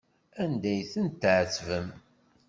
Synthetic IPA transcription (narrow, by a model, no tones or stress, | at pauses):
ænd̪æjθənt̪ːʕət͡sːvəm